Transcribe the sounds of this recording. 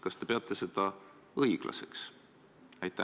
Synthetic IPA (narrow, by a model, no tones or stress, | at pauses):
kɑst̪e̞peɑt̪ːˑe̞se̞d̪̥ɑ | ɤiɡ̥lʔɑ̰se̞ks | ɑjt̪ːˑæ